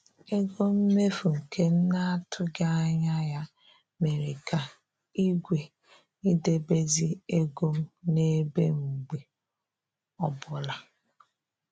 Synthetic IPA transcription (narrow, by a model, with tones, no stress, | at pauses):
e˦ɡo˦m̩˦me˦fu˨ŋ̩˨kʰe˦n̩˦na˦a˦tʰʊ˦ɡa˦a˦ɲa˦ja˦ | me˨ɾe˨ka˨ | i˦ɡʷe˨ | ni˦de˦be˦zi˦e˦ɡo˦m̩˦ne˦bḛ˦ŋ͡m̩˨ɡ͡be˨ | ɔ˨bʊ˨la˨